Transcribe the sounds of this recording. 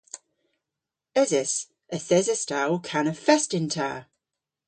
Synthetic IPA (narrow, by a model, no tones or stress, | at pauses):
əzɪs | əθɛzəstalˠkʰanəfɛstɪntʰa̰ː